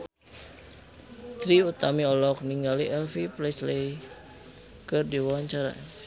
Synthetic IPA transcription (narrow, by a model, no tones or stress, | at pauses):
t̪ɾiut̪amiɔlɔk̚niŋɡaliʔɛlfiplɛslɛj | kɨrdiwawaɲt͡ʃaɾa̰